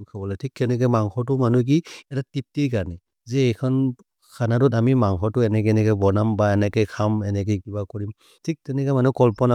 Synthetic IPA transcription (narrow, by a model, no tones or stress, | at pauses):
kʰabɔlɛtʰikʰːɛnɛk̬ɛmaŋxʰɔtumanuk̬iɛtatip̚tiɹkaɹnɛ | zɛːjkʰɔn | kʰanatutamimaŋxʰɔɹtuɛnɛk̬ɛnɛkɛbɔnambaɛnɛkɛjkʰamɛnɛk̬ɛkibakɔɹim | tʰik̚tɛnɛkɔmanukɔlpɔna